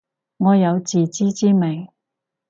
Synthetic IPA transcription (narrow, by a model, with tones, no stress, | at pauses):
ŋɔː˨˧jɐ˨˧wt͡siː˨t͡siː˥t͡siː˥me˨˩ŋ